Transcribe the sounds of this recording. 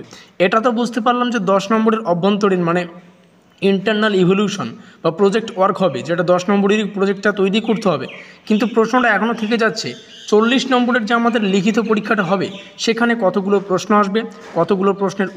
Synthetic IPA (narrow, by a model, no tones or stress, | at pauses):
eʈat̪̬obud͡ʑʱt̪epaɾlamd͡ʑed̪ɔʃnɔmboɾeɾɔbʱːont̪oɽiɾmane | iɳʈaɾnalibʱoljuʃonbapɾod͡ʑek̚ʈwaɾkɦɔbed͡ʑeʈad̪ɔʃnɔmboɽiɾipɾod͡ʑek̚ʈʈat̪ojɾikoɾt̪eɦɔbekint̪upɾoʃnoʈaɛkʰonot̪ʰek̬ed͡ʑatːɕʰe | t͡ɕolːiʃnɔmboɽeɾd͡ʑeamad̪eɾlikʰit̪̬opoɾikʰːaʈaɦɔbḛ | ʃekʰanekɔt̪ʰoɡulopɾosnoaʃbe | kɔt̪ʰoɡulopɾosneɾ